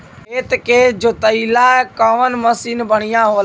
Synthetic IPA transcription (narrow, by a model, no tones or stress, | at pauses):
eːt̪ked͡ʒot̪əilakəʋənməsiːnbəɽ̤̃ijãɦoːl